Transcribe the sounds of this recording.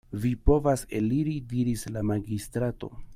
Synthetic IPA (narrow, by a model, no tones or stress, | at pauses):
vipo̞vaseliɾidiɾislamaɡistɾato̞̰